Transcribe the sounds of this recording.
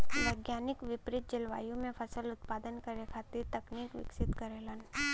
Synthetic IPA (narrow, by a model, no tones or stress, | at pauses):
ʋɐɪɡjaːnɪkʋɪpɾɪt̪̚d͡ʒɪlʋa̰ːjõmẽfɐsəlʊt̪̚paːd̪ənkɐɾekʰaːt̪iɾt̪ɐkniːkʋɪ̰ksɪt̪kɐɾeːlən